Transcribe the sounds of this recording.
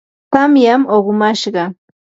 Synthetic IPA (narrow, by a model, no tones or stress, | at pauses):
t̪amjamoɢmaʃɢɑ